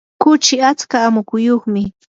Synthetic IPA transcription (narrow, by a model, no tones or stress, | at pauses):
kʊt͡ʃɪat͡skaːmʊkʊjoχmɪ